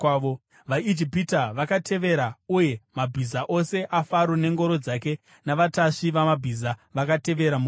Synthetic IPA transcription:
o | ʋaid͡ʒipitaʋakatʰe̞ʋe̞ɾauje̞mabʱizaʔo̞se̞ʔafaɾone̞ŋɡo̞ɾo̞d͡zake̞ | naʋataʂiʋamabʱizaʋakate̞ʋe̞ɾamu

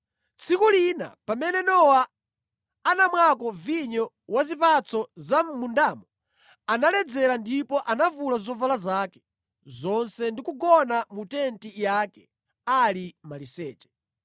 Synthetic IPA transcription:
t͡sʰikulina̰pamɛnɛnɔwa | anamwakɔviɲɔ | wazipat͡sʰɔzam̩mundaːmɔ | analɛd͡zɛɾandipɔʔanavulazɔvalazaːkɛ̥ | zɔnsɛndikuɡɔnamutɛntijaːkɛ | alimalisɛ̰ːt͡ʃɛ̥

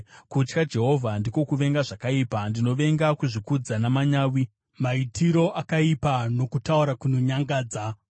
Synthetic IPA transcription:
kut͡ʃkad͡ʒe̞ɦo̞vʱandiko̞kuʋe̞ŋɡaʐakaiːpandino̞ʋe̞ŋɡakuʐikud͡zanamaɲaːwi | maitʰiɾo̞ʔakaipano̞kutauɾakunoɲaŋɡaːd͡za

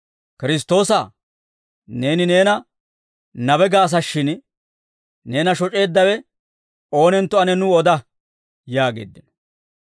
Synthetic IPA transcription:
kɪɾɪs̬t̪o̞ːsɐ | ne̞ːnɪne̞ːnɐ | nɐbɛɡaːs̬ɐʃːɪn | ne̞ːnɐʃɔt͡ʃʼe̞ːd̪ːɐwɛ | o̞ːnɛnt̪ːɔɐnɛnʊɔd̪ɐ | jaːɡe̞̰ːd̪ːɪnɔ

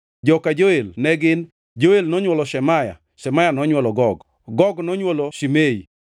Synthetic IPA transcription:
d͡ʒɔkad͡ʒoelnɛɡɪn | d͡ʒoelnɔɲwɔlɔʃɛmaja̰ | ʃɛmajanɔɲwɔlɔɡɔɡ | ɡɔɡnɔɲwoloʃimei

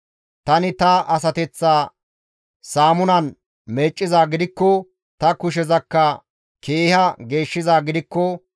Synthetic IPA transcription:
t̪ɐnɪt̪ɐʔɐs̬ɐt̪ɛt͡sːaː | saːmʊnɐn | meːt͡ʃʼːɪzaːɡɪd̪ɪkːɔ | t̪ɐkʊʃ̬ɛzɐkːɐ | kʰe̞ːhɐɡe̞ːʃːɪzaːɡɪd̪ɪkːɔ

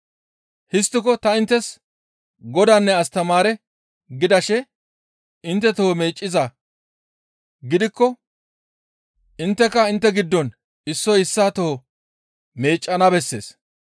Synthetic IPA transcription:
hɪst̪ːɪkɔt̪ɐɪnt̪ːɛs | ɡɔd̪ɐnːɛɐst̪ɐmaːɾɛ | ɡɪd̪ɐʃɛ | ɪnt̪ːɛt̪ohɔme̞ːt͡ʃʼːɪzɐ | ɡɪd̪ɪkːɔ | ʔɪnt̪ːɛkɐɪnt̪ːɛɡɪd̪ːɔn | ɪsːɔjɪsːaːt̪ohɔ | me̞ːt͡ʃʼːɐnɐbɛsːe̞̰ːs

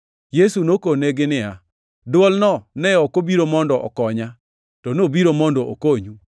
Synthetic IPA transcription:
jesunokoneɡɪnɪa | dwɔlnɔnɛɔkobiɾomɔndɔʔɔ̰kɔɲa | tɔnobiɾomɔndɔʔokoɲu

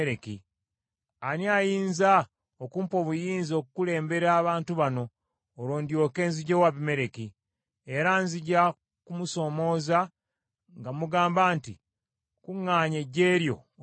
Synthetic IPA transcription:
ɾeki | aniajiːnza | okuːmpo̞βujiːnzio̞kukule̞ːmbe̞ɾaːβaːntuβano̞ː | ɾoːndjo̞ke̞ːnziɟewaβime̞ɾe̞ki | eɾanziɟa | kumuso̞mo̞ːza | ŋɡamuɡaːmbaːntḭ | kuŋːaːɲeɟe̞ːɾjo̞̰

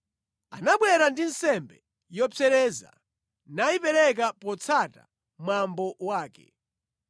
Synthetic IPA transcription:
a̰naɓwɛɾandinsɛmbɛ | jɔpɛɾɛːza̰ | naipɛɾɛk̬apɔt͡sʰata̰ | mwambɔwaːkɛ̰

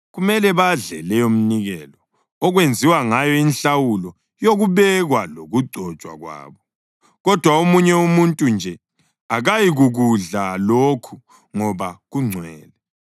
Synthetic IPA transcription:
ɣumɛlɛβaɮɛlɛjom̩niɣɛlɔ | ɔɣwend͡zʱiwaŋajɔinɬawulɔ | joɣuβɛɣwaloɣuɡ͡ǀʱɔ̥t͡ʃʼwa̰ɣwa̰ːβɔ | ɣɔd̥ʱwaomuɲɛumuntʼund͡ʒʱɛ | aɣajiɣuɣuɮalokʰu | ŋɔβaɣuŋ͡ǀʱwɛːlɛ

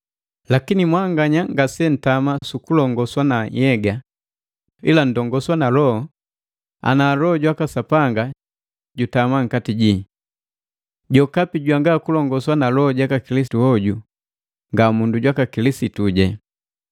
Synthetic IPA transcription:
lakinimwaŋɡaɲaŋɡasɛn̩tamasukulɔŋɡɔswanajɛɡa | ḭlan̩dɔŋɡɔswanalɔɔ | a̰naːlɔːɟwakasapaŋɡa | ɟutamaŋ̩katiɟi | ɟɔkapiɟwaŋɡakulɔŋɡɔswanalɔːɟakakilisituɔɟu | ŋɡamunduɟwakakilisituɟɛ

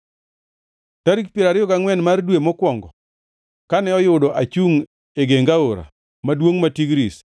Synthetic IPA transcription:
taɾik̚pjeɾaɾɪɔkaŋwɛnmardwemɔkwɔŋɡɔ | kanɛɔjʊdɔʔat͡ʃuŋ | eɡeŋɡaoɾa̰ | madwoŋmatiɡɾis

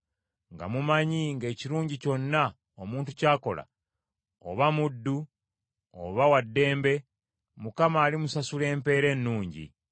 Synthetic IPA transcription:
ŋɡa̰mumaɲiŋɡe̞ːciɾuːɲɟico̞nːa | omuːntucaːko̞la̰ | o̰βamudːu | o̰βawadːe̞ːmbe̞ | mukamaːlimusasule̞ːmpe̞ːɾe̞ːnːuːɲɟḭ

